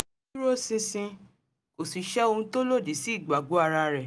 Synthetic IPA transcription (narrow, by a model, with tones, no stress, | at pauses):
ɾo˦sĩ˧sĩ˧ | ko˨si˨ʃɛ˦o˧hũ˧to˦lo˦˨di˨˦si˦i˦˨ɡ͡ba˨ɡo˨˦a˦˧ɾa˧ɾɛ˨